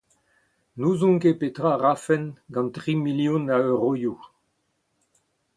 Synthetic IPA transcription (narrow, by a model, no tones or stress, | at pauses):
nuzɔ̃ŋkepet̪ʁaʁafɛnɡɑ̃ntʁimiljɔ̃naøʁoju